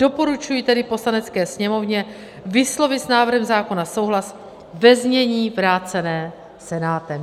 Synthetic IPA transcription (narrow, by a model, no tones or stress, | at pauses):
d̥o̞po̞ɾut͡ʃujiːt̪ɛdɪpo̞slanɛt͡skɛːsɲɛmo̞vɲɛ | vɪslo̞vɪsnaːvr̩ɦɛmzaːko̞naso̞wɦlas | vɛzɲɛɲiːvɾaːt͡sɛnɛː | sɛnaːt̪ɛm